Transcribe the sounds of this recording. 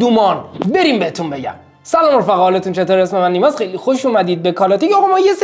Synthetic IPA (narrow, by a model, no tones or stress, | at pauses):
d̪umɒːnbe̞ɾiːmbehet̪ʰunbe̞ɟæ̰m | sælɒːmoɾfæɣːlet̪unt͡ʃʰe̞t̪oːɾesmemænːiːmɒːzχejlixoʃuːmæd̪iːd̪̚bekʰɒːlɒːt̪icɒːɣɑmɒːjes